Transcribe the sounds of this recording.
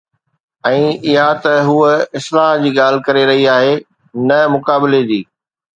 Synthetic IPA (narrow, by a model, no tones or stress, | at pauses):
ɛ̃ːɪɦat̪ɐɦuɪslaːɦd͡ʑiːɠaːl̤ɪ̆kɐɾeɾɐɦiaːɦe | nɐmʊkaːbɪled͡ʑiː